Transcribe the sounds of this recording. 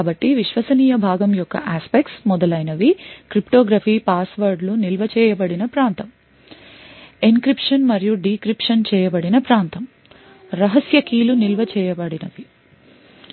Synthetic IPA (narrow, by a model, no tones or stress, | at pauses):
bɐʈːiʋiʃʋɐsɐniːjɐbʱaːɡɐmjɔkːɐ̰ʔaːspekʈsmɔd̪ɐlɐjnɐʋikɾipʈoːɡɾaːpʰiːpaːsʋɐɾɖlunilʋɐt͡ʃɛːjɐbɐɽinɐpɾaːnt̪ɐm | iŋkɾipʂɐnmɐɾijuɖikɾipʂɐnt͡ʃɛːjɐbɐɽinɐpɾaːnt̪ɐm | ɾɐɦɐsjɐkiːlunilʋɐt͡ʃɛːjɐbɐɽinɐʋi